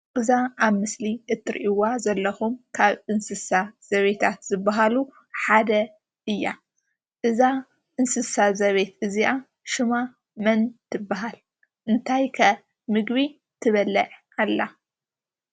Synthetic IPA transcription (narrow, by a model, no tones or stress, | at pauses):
ʔɨzaaβmɨsliʔɨt̪ʰːɨɾʔiwazɐlːɐxumkʰaβɨnsɨsaz̥ɐβet̪ʰat̪zɨbːaɦalu | ħad̪ɐ | ʔɨjːa̰ | ʔɨza | ʔɨnsɨsazɐβe̞t̪ɨziʔa | ʃɨma | mɐnt̪ʰɨbːaɦal | ʔɨnt̪ʰajkʰɐ | mɨɡβi | t̪ʰɨβɐlɐʕ | alːa